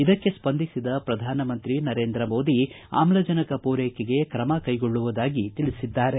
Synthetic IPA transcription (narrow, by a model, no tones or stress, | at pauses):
id̪ɐkːe̞spɐnd̪ʱisid̪ɐpɾɐd̪ʱaːnɐmɐnt̪ɾinɐɾe̞ːnd̪ɾɐmo̞ːd̪i | a̰ːmlɐd͡ʒɐnɐkɐpuːɾeːkeɡe̞kɾɐmɐkɐjɡoɭːuʋud̪aːɡit̪iɭisid̪ːaːɾe̞